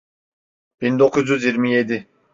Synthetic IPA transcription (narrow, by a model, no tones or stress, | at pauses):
b̥ind̪okʰuzjyzjiɾmijed̪i